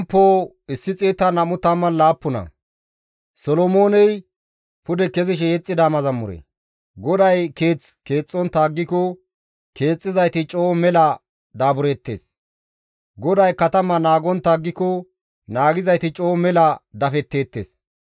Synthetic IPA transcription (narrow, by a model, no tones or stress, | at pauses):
mpːoː | ɪsːɪt͡sʼeːt̪ːɐnɐmʊt̪ːɐmːɐnlaːpːʊnɐ̰ | sɔlɔmoːnɛj | pʊd̪ɛkɛzɪʃ̬ɛjɛt͡sʼːɪd̪amɐzɐmːʊɾɛ̰ | ɡɔd̪ɐjke̞ːt͡s | ke̞ːt͡sʼːɔnt̪aːɡːɪkɔ | ke̞ːt͡sʼːɪzɐjt̪ɪt͡ʃʼo̞ːmɛlɐ | d̪aːbʊɾeːt̪ːe̞̰ːs | ɡɔd̪ɐjkɐt̪ɐmɐnaːɡɔnt̪ːaːɡːɪkɔ | naːɡɪzɐjt̪ɪt͡ʃʼoːmɛlɐd̪ɐfɛt̪ːe̞ːt̪ːḛːs